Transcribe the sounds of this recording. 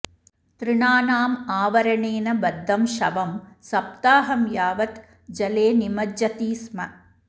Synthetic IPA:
t̪ɾɨɳaːnaːmaːʋɐɾɐɳeːnɐbɐd̪ʱːɐmʃɐ̰ʋɐmsɐp̚t̪aːɦɐmjaːʋɐt̪ | d͡ʒɐleːnimɐd͡ʒɐt̪iːsmɐ̰

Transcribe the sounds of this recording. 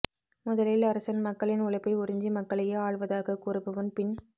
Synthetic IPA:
mʊðɐlɪlɐɾɐsɐnmɐkːɐɭɪnʊɭɐɪpːɐɪʊɾɪɲd͡ʒimɐkːɐɭɐjeːaːɭʋɐðaːɣɐkuːɾɯpːɯʋɐmpɪn

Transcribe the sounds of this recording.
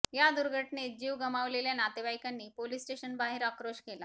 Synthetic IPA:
jad̪uɾɡʱəʈned͡ʑiːʋɡəmaʋleljanat̪ebajkanːiːpolisʈeɕənbaɦeɾakɾoɕkela

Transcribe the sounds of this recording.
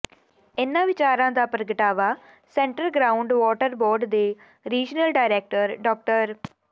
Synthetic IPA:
ɪnãːʋɪt͡ʃaːɾãːd̪aːpɾəɡəʈaːʋaː | sɛ̃ːɳʈəlɡɾaːʊɳɖʋɔːʈəɾboːɾɖd̪eː | ɾiːd͡ʒnəlɖaːɪɾɛːk̚ʈəɾɖɔːk̚ʈəɾ

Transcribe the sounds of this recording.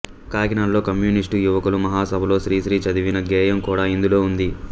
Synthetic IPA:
kaːɡinaːlo̞ːkɐmjuːnisʈujuʋɐkɐlumɐɦaːsɐbʱɐlo̞ːʃɾiːʃɾiːt͡ʃɐd̪iʋinɐɡɛːjɐmkuːɽaːind̪ulo̞ːund̪i

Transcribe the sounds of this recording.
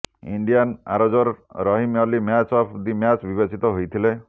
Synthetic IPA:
ḭɳɖijana̰ɾɔd͡ʒɔɾɾɔɦimjɔlimjat͡ʃɔpʰd̪imjat͡ʃbibesit̪ɔɦojt̪ʰile

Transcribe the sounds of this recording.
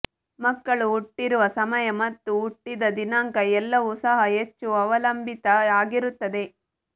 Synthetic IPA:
mɐkːɐɭuːʈːiɾuʋɐsɐmɐjɐmɐt̪ːuːʈːid̪ɐd̪inaːŋkɐɛlːɐʋusɐɦɐet͡ʃːuɐʋɐlɐmbʱit̪ɐaːɡiɾut̪ːɐd̪e̞

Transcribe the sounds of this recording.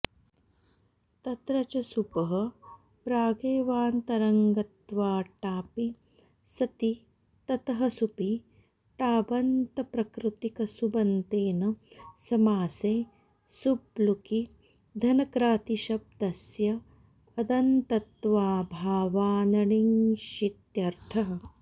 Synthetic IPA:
t̪ɐt̪ɾɐt͡ʃɐsupɐɦɐ̆ | pɾaːɡeːʋaːnt̪ɐɾɐŋɡɐt̪ʋaːʈaːpi | sɐt̪i | t̪ɐt̪ɐɦɐsupi | ʈaːbɐnt̪ɐpɾɐkɾut̪ikɐsubɐnt̪eːnɐsɐmaːseː | subluki | d̪ʱɐnɐkɾaːt̪iʃɐb̚d̪ɐsjɐː | d̪ɐnt̪ɐt̪ʋaːbʱaːʋaːnɐɳiŋʃit̪jɐɾʈʰɐɦɐ̆

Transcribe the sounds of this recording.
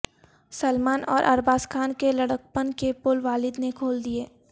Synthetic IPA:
səlmaːnɔ̰ːɾʔɐ̰ɾbaːskʰaːnkelɐɽək̚pənkepʊlʋaːlɪd̪nekʰoːld̪ieː

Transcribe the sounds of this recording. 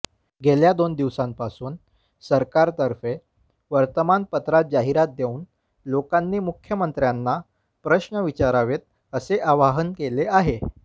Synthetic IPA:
ɡʱeljad̪ond̪iʋsãmpasuːn | səɾkaɾt̪əɾfe | ʋəɾt̪əmanpət̪ɾat̪̚d͡ʑaɦiɾat̪̚d̪euːn | lokanːiːmukʰjəmənt̪ɾjanːa | pɾəɕɳəʋit͡ɕaɾaʋet̪̚ | əseʔaʋaɦənkeleaɦe

